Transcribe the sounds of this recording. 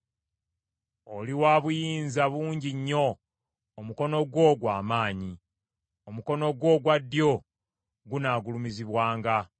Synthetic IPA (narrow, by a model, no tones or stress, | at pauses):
o̞liwaːβujiːnzaβuːɲɟiɲːo̞ː | muko̞no̞ɡwo̞ɡwaːmaːɲi | omuko̞no̞ɡwo̞ɡwadːjo̞ | ɡunaːɡulumiziβwaːŋɡa